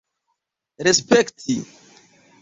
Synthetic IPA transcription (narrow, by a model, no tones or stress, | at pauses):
ɾespektʰi